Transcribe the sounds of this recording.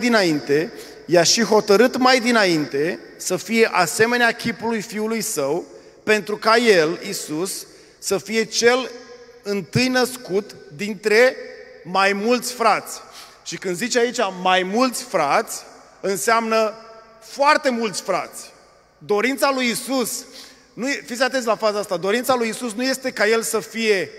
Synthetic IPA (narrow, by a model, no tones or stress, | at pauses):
d̪inaint̪e̞ | jaʃiɦo̞t̪əɾɨt̪majd̪inaint̪e̞ | səfije̞ʔase̞me̞neakʲipulujfiulujsəw | pe̞nt̪ɾukaje̞lisusː | əfije̞t͡ʃe̞l | ɨnt̪ɨjnəskut̪d̪int̪ɾe̞majmult̪sʲfɾat̪sʲ | ʃikɨnd̪zit͡ʃait͡ʃamajmult̪sʲfɾat̪sʲ | ɨnseamnə | foart̪e̞mult̪sʲfɾa̰t̪sʲ | d̪o̞ɾint̪salujisus | nujefit̪sʲat̪e̞n̬lafazaast̪ad̪o̞ɾint̪salujisusnuje̞st̪e̞kaje̞lsəfije̞